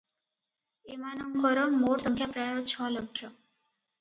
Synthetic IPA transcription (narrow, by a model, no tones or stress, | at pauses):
emanɔmkɔɾɔmmoɾsɔŋkʰjapɾajot͡ɕʰɔlɔkʰjɔ